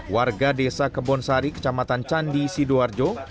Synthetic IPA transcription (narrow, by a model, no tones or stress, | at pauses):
warɡadesakəbɔnsaɾikə̥t͡ʃamat̪ant͡ʃandisiduard͡ʒo